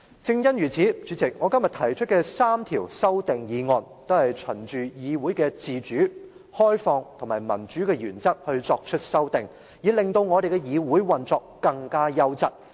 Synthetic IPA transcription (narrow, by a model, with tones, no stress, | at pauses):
t͡sɪ˧ŋjɐ˥nɥyː˨˩t͡sʰiː˨˥t͡ʃyː˨˧˥t͡sɪ˨k̚ŋɔː˨˧kɐ˥mjɐ˨t̪ʰɐ˨˩jt͡ʃʰɵ˥t̚kɛː˧saː˥mt̪ʰiː˨˩wsɐ˥wt̪ɪ˨ŋjiː˨˧ŋɔː˨˧nt̪o˥whɐ˨jt͡ʃʰɵ˨˩nt͡ʃyː˨jiː˨˧wuː˨˥jkɛː˧t͡siː˨t͡ʃyː˨˥ | hɔː˥jfɔː˧ŋt̪ʰʊ˨˩ŋmaː˨˩jmɐ˨˩nt͡ʃyː˨˥kɛː˧jyː˨˩nt͡sɐ˥k̚hɵ˧ɥt͡sɔː˧k̚t͡ʃʰɵ˥t̚sɐ˥wt̪ɪ˨ŋ | jiː˨˧lɪ˨ŋt̪o˧wŋɔ˨˧ɾe˨jkɛ˧jiː˨˧wuː˨˥jwɐ˨nt͡sɔː˧kːɐ˧ŋkaː˥jɐ˥wt͡sɐ˥t̚